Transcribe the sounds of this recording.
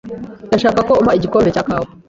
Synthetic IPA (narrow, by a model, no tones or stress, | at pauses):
taʃakakɔumaid͡ʒikɔmbɛt͡ʃaka